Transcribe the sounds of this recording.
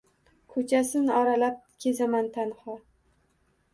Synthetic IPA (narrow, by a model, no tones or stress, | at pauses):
kʰot͡ʃʰasɪnɒɾalap̚kʲʰezamant̪ʰanhɒ